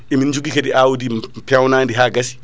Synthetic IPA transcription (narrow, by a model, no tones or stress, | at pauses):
ʔɛmind͡ʒuɡikɛɗiʔawudipɛwnaːndiɦaːɡasi̥